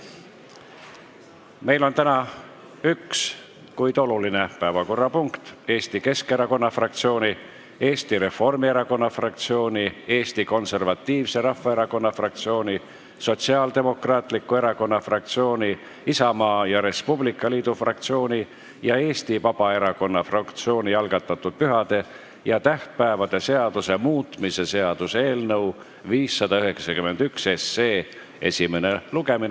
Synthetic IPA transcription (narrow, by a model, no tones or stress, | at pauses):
me̞jlo̞nt̪ænɑ | yks | kujd̪̥o̞lulinepæevɑko̞rːɑpuŋkt̪e̞ːst̪ike̞ske̞ɾɑko̞nːɑfrɑkt̪sio̞ːni | e̞ːst̪iɾe̞fo̞rmie̞ɾɑko̞nːɑfrɑk̚t̪sio̞ːnʲie̞ːst̪iko̞nse̞rvɑt̪ːˑiːvse̞ɾɑfːɑe̞ɾɑko̞nːɑfrɑk̚t̪sio̞ːnʲi | so̞t̪siɑːld̪e̞mo̞krɑːt̪ˑlikːˑue̞ɾɑko̞nːɑfrɑk̚t̪sio̞ːnʲi | isɑmɑːjɑɾe̞spublikːˑɑliːd̪̥ufrɑk̚t̪sio̞ːnʲi | jɑe̞ːst̪ipɑb̥ɑe̞ɾɑko̞nːɑfrɑkt̪sio̞ːnʲijɑlɡ̥ɑt̪ːˑɑt̪ːˑud̪̥̚pyɦɑd̪̥e̞ | jɑt̪æht̪̚pæevɑd̪̥ese̞ɑd̪̥use̞muːt̪mise̞se̞ɑd̪use̞ːlnɤw | viːsːɑd̪̥ɑyɦe̞ksɑkymːe̞nd̪̥ykse̞sːeː | e̞sʲimene̞luɡ̥e̞min